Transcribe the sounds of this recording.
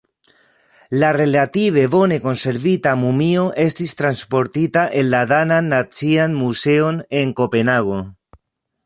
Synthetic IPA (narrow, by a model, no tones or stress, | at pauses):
lare̞latiβe̞bo̞ne̞ko̞nse̞ɾvitamumio̞ʔe̞stist̪ɾanspo̞ɾtitaʔe̞nlaðananːat͡sianmuse̞o̞ne̞ŋko̞pe̞naɣo̞